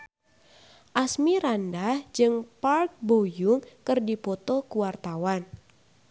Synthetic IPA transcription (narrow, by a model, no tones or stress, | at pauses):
ʔasmiɾandahd͡ʒɨŋpark̚bojʊŋkɨrdipɔt̪okuwart̪awan